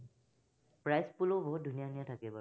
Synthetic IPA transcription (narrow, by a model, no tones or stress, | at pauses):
pɹajspuloboɦut̚dʱunijanijatʰakibɔ